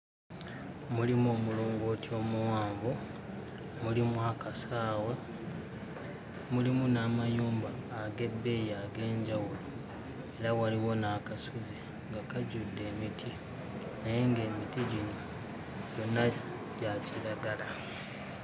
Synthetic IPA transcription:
mulimoːmuloːŋɡo̞tio̞ːmuwaːmbo | mulimuakasaːwe | mulimunaːmajuːmbaːɡe̞bːe̞jaɡe̞ːɲɟawulo | e̞ɾawaliwo̞nakasuzi | ŋɡakaɟudːe̞ːmitʰi | najeŋɡe̞ːmitiɟino̞ | ɟo̞na | ɟ̥aciɾaɡala

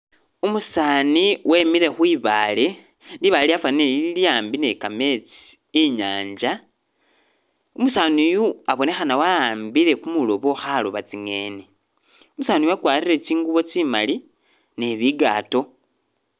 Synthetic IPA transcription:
umusaːniwe̞ːmiɾe̞xwiːβaːle̞ | liβaliafaneiljaːmbine̞kame̞t͡sii̥ː | ɲaːɲd͡ʒa | umusaːnujuaβo̞ne̞xanawaaːmbiɾe̞kumulo̞βo̞xaloβat͡siŋe̞̰ːni | umusaːnijoakwaːrire̞t͡siːŋɡuβo̞t͡sima̰li | ne̞βiɡaːto̞

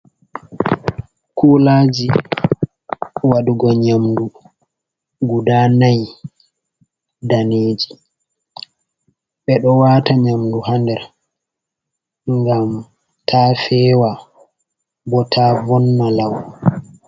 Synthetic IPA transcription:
kulaːd͡ʒi | waduɡɔɲamdu | ɡudanaj | daneːd͡ʒi | ɓɛɗɔwaːtaɲamduhandɛɾ | ŋɡam | tʰafɛːwa | bɔtʰaːvɔnːalaw

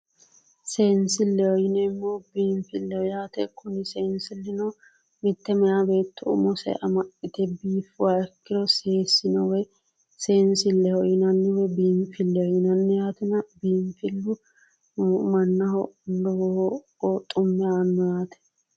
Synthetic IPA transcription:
seːnsɪlːɛwɔjɪnɛɪmːobiːmfɪlːɛɔjaːt̪ɛkʰʊnɪseːnsɪlːɪnɔ | mɪt̪ːɛmɛjabe̞ːt̪ːɔʊ̰mɔsɛ̰ʔɐmɐʔɪt̪ɛbiːfwakːɪɾɔseːsɪnɔwɔj | seːnsɪlːɛhɔjɪnɐnːɪwɔbiːmfɪlːɛɔjɪnɐnːɪjaːt̪ɛnɐbiːmfɪlːʊ | mɐnːɐhɔlɔ | ɔt̪ʼʊmːɪaːnːɔjaːt̪ɛ̥

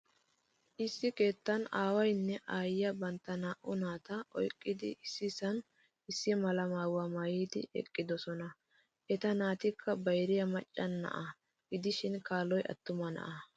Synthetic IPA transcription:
ʔɪsːɪke̞ːt̪ːɐnaːwɐjnːɛʔaːjjɐbɐnt̪ːɐnaːʔʊnaːt̪ɐɔjkʼːɪd̪ɪ̰ʔɪsːɪsɐn | ɪsːɪmɐlɐmaːwamɐjiːd̪ɪ̰ʔɛ̰kʼːɪd̪ɔsɔnɐ | ʔɛt̪ɐnaːt̪ɪkʰːɐbɐjɾɪjɐmɐt͡ʃʼːɐnːɐ̰ʔɐ | ɡɪd̪ɪʃɪnkaːlɔjʔɐ̰t̪ːʊmɐnɐ̰ʔɐ

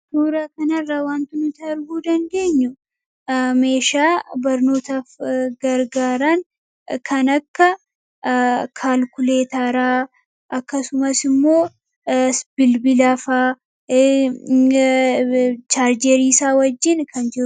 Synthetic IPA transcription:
suːɾɐkɐnɐrːaːwaːnt̪ʊnʊt̪ɐɪɾɡuːd̪ɐnd̪e̞ːɲːʊ | me̞ːʃaːbɐɾno̞ːt̪afɡɐɾɡaːɾɐŋ | kʰɐnɐkːɐ | kʰaːlkʊle̞ːt̪aːɾaː | ʔɐkːɐsʊmɐsɪmːo̞ː | sbɪlbɪlɐfaː | t͡ʃaːɾd͡ʒɛɾiːsaːwɐd͡ʒːɪnkʰɐnd͡ʒɛɾ

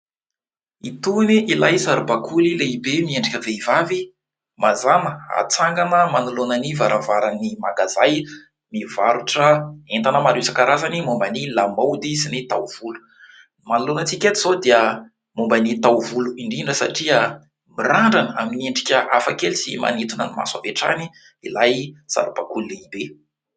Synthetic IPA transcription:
it̪uniʔilajzaɾubakʰulileibemieɳɖ͡ʐikʲəveivavi | mazaməa̰t͡saŋɡanəmanulonanivaɾavaɾanimaɡazaj | mivaɾuʈ͡ʂəent̪anəmaɾesakaɾazanimombanilamawd̪isinit̪awv̥ulu̥ | manulonət͡sikʲat̪iz̥od̪iə | mombanit̪awvuluiɳɖ͡ʐiɳɖ͡ʐəsa̰ʈ͡ʂiə | miraɳɖ͡ʐanəa̰mineɳɖ͡ʐikʲəʔafakelisima̰nit̪unənima̰swaveʈ͡ʂa̰ni | ilajsa̰ɾupakulːiibe

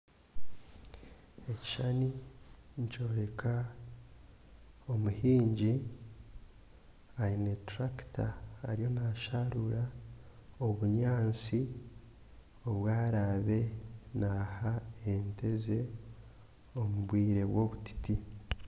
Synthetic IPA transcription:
e̞ci̥ʃaniɲt͡ʃo̞ːɾe̞kʰa | o̞muhiːɲɟi | ainetɾaktʰaːɾijo̞naːʃaɾuɾa | oβuɲaːnt͡si | o̞βwaːɾaβe̞nahaente̞ze̞ | o̞muβwiːɾe̞βwo̞βuti̥ti

